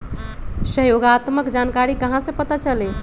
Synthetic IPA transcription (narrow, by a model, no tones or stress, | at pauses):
səɦjoɡat̪məkd͡ʒankaɾikəɦãsə̃pət̪at͡ʃəlɛ